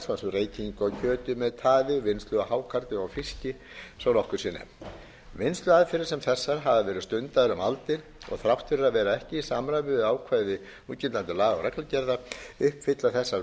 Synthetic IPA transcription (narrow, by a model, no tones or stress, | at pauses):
sasʏreːjc̪ʰiŋkɔcʰœːt̪ʏmɛðt̪ʰaːðɪvɪnst̪lʏɣaɦaːwkʰaɾt̪ɪawfiscɪ | sɔwnɔhkʏɾ̥sɪːnɛ̰m | vɪnst̪lʏaðfɪɾɪɾ̥sɛmθɛsːaɾ̥ɦavavɛːɾɪðst̪ʏnt̪aðɾʏmalt̪ɪɾ | ɔ̰ɣθɾawht̪fɪɾɪɾaðvɛːɾaɛhcɪisamɾavʏaːwkʰvaːjðɪ | uːt̪cɪnt̪ant̪ɪlaːɣawɾɛklacɛɾðaʏhpfɪt̪laθɛsːa